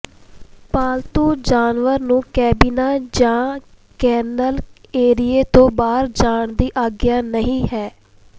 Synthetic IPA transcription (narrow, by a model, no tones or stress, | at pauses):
paːlt̪uːd͡ʒaːnʋəɾnũːkɛːbiːnaːd͡ʒãː | kɛːnəleːɾɪeːt̪õːbaːɾd͡ʒaːɳd̪iːʔaːɡjaːnəɦĩːɦɛː